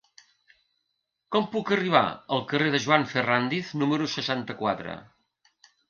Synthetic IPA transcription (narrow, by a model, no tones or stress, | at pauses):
kɔmpukəriβ̞a̰əlˠkəreðəʒuaɱfərand̪ifnuməɾusəʃant̪əkwat̪ɾə̰